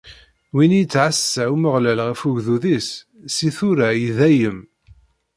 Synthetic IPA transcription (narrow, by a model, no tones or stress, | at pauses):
winijət͡sːʕasːæuməʁlælʁəfuʝðuðisː | iθuɾæjiðæjəm